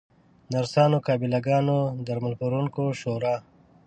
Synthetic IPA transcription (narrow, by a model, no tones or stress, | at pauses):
nɐɾsaːnokaːbilɐɡaːnod̪ɐɾmɐlpuɾunkoʃoːɾaː